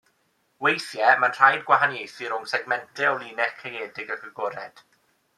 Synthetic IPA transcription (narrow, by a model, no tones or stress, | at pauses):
wejθjɛmanr̥ajdɡwaɦanjejθɨɾʊŋsɛɡmɛntʰɛɔlˠiːnɛχkʰrejeːdɪɡəɡəɡɔɾɛd̥